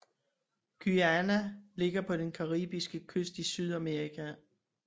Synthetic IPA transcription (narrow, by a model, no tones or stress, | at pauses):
ɡ̥yænæle̝ɡ̥ɐpʰɒ̽d̥enkʰɑ̈ʁḭːb̥isɡ̥əkʰøsd̥isyð̞ˠæmeʁikʰæ